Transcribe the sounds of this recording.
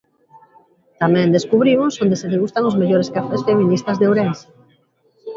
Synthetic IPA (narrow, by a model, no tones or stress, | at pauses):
t̪amɛ̃nd̪eskuβɾimʊsond̪eseðeɣust̪aŋʊzmeʎoɾeskafesfeminist̪ɐzðeoɾens